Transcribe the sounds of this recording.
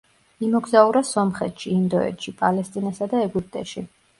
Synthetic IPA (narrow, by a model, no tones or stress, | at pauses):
imɔɡzauɾasɔmχɛt̪ʃiːnd̪ɔɛ̰t̪ʃipʼalɛst̪ʼinasad̪aɛɡyp̚ʼt̪ʼɛʃi